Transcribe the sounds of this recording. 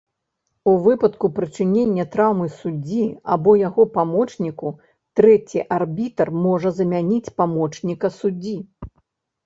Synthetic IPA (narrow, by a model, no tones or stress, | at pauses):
uvɨpɐt̪kupɾɨt͡ʂɨnʲenʲːɐt̪ɾawmɨsud͡zʲia̰bɔjaɣɔpamɔt͡ʂnʲiku | t̪ɾɛt͡sʲiʔarbʲit̪ɐrmɔʐɐzɐmʲanʲit͡sʲpamɔt͡ʂnʲikɐsud͡zʲi